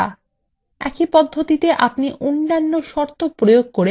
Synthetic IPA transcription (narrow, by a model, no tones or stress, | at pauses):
a̰ | ɛ̰kipɔd̪ʱːot̪it̪eʔapniʔonːanːoʃɔɾt̪ʰopɾojoɡ̚koɾe